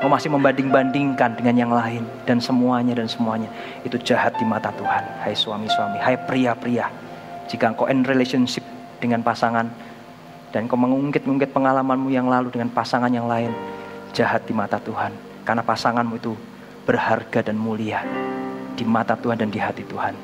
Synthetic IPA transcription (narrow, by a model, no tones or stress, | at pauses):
kawmasɪhməmbandɪŋbandɪŋkandəŋanjaŋlaɪn | d̥ansəmuaɲadansəmuaɲa | it̪ud͡ʒahat̪̚dimat̪at̪uhanhajswamiswamihajpɾiapɾia | d͡ʒikaŋkoʔɛnrelesiɔnsɪp̚ | d̥əŋanpasaŋan | d̥ankaməŋuŋkɪt̪̚ŋuŋkɪt̪̚pəŋalamanmujaŋlaludəŋanpasaŋanjaŋlaɪnd͡ʒahat̪̚dimat̪at̪uhan | karnapasaŋanmuit̪u | b̥ərharɡadanmulia | d̥imat̪at̪uhandandiɦat̪it̪uhan